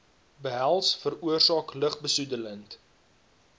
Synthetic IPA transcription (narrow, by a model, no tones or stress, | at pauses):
bəɦælˠsfəruərsɑːkləχbəsudələnt